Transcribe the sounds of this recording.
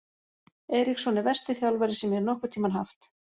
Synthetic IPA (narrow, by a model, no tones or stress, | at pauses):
ɛːjɾiksɔnːɪvɛrst̪ɪθjawlvɛɾɪsɛmjɛɾnɔhkʏ̥t̪ʰiːmanɦa̰ft̪